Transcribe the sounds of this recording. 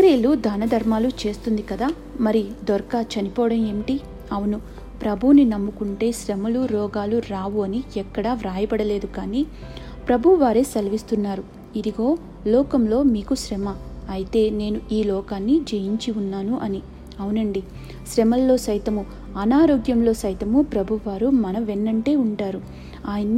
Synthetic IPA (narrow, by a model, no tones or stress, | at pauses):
kɐɾeːlud̪ʱaːnɐd̪ʱɐɾmaːlut͡ʃe̞ːst̪und̪ikɐd̪aː | mɐɾid̪ɔɾkaːt͡ʃɐnipɔːɽɐmemiʈi | ɐwunu | pɾɐbʱuninɐmːukuɳʈe̞ːʃɾɛmɐluɾɔːɡaːluɾaːʋuɐniɛkːɐɽaʋɾaːjɐbɐɽɐle̞ːd̪ukaːniː | pɾɐbʱuʋaːɾeːsɐlɐʋist̪unːaːɾu | id̪iɡo̞ː | lɔːkɐmlo̞ːmiːkuʃɾɛmɐɐjit̪e̞ːne̞ːnuiːlɔːkaːnːid͡ʒejiɲt͡ʃiunːaːnuʔɐni | ɐwunɐɳɖi | ʃɾɛmɐlːo̞ːsɐjt̪ɐmu | ɐnaːɾo̞ːɡjɐmlo̞ːsɐjt̪ɐmupɾɐbʱuʋaːɾumɐnɐʋenːɐɳʈe̞ːuɳʈaːɾu | aːjɐnː